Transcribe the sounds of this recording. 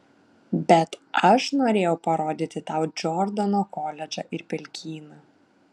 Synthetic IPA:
bʲɛt̪ɐʃnoːɾʲeːjɛʊpɐɾoːd̪ʲiːt̪ʲɪt̪ɑˑʊd͡ʒʲɔɾd̪ɐnoːkoːlʲɛd͡ʒʲɐ̰ːʔɪɾpʲɛlʲkʲʰiːnɐ

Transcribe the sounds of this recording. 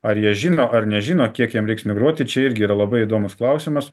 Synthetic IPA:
ɐɾjiɛʒʲiːnoːʔɐɾnʲɛʒʲiːnoːkʲiɛkjiɛmɾɛɪksmʲɪɡɾuɔt̪ʲɪt͡ʃʲɛɪɾʲɡʲɪiːɾɐlˠɐbɐɪid̪oːmʊsklˠɐʊsʲɪmɐs

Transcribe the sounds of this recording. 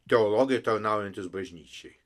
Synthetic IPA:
t̪ʲɛɔlˠoɡʲɪjɛt̪ɐɾnɑˑʊjɛnʲt̪ʲɪsbɐʒʲnʲiːt͡ʃʲɛɪ

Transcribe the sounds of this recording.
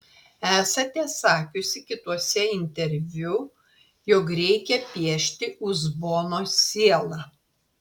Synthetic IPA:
æːsɐt̪ʲɛːsɑːkʲʊsʲɪkʲɪt̪uɔsʲɛɪnʲt̪ʲɛɾʲʋʲʊ | joːkɾʲɛɪkʲɛpʲiɛʃʲt̪ʲɪʔʊzboːnoːsʲiːɛlˠɑ

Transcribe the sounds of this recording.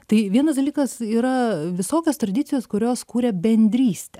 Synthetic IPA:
t̪ɐɪʋʲiɛnɐsd̪ɐlʲiːkɐsiːɾɐʋʲɪsoːkʲoːst̪ɾɐd̪ʲɪt̪sʲɪjoːskʊɾʲoːskuːɾʲɛbʲɛnʲd̪ʲɾʲiːsʲt̪ʲɛ

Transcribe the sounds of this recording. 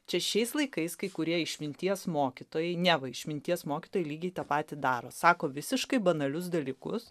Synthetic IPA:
t͡ʃʲɛʃʃʲɛɪslˠɐɪkɐɪskɐɪkʊɾʲiɛɪʃʲmʲɪnʲt̪ʲiɛsmoːkʲɪt̪oːjɛɪnʲɛʋɐɪʃʲmʲɪnʲt̪ʲiɛsmoːkʲɪ̥t̪oːjɛɪlʲiːɡʲɛɪt̪ɐpɑːt̪ʲɪd̪ɑːɾoːsɑːkoːʋʲɪsʲɪʃkɐɪbɐnɐlʲʊs̬d̪ɐlʲiːkʊs

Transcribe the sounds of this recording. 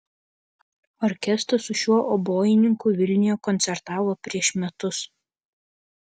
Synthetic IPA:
ɔɾʲkʲɛst̪ɐsʊʃʲuɔʔɔboːjɪnʲɪŋkuːʋʲɪlʲnʲɪjoːkɔnʲt̪sʲɛɾt̪ɑːʋoːpʲɾʲiɛʃmʲɛt̪ʊs

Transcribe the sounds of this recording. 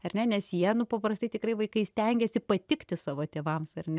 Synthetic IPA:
ɐrnʲɛnʲɛsjiɛnʊpɐpɾɐst̪ɐɪt̪ʲɪkɾɐɪʋɐɪkɐɪsʲt̪ʲɛŋʲɡʲɛsʲɪpɐt̪ʲɪkt̪ʲɪsɑːʋoːt̪ʲeːʋɐmsɐrnʲɛ

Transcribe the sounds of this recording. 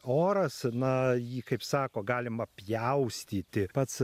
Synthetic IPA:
oːɾɐsnɐjiːkɐɪpsɑːkoːɡɑːlʲɪmɐpʲjɛʊsʲt̪ʲiːt̪ʲɪpɐt̪s

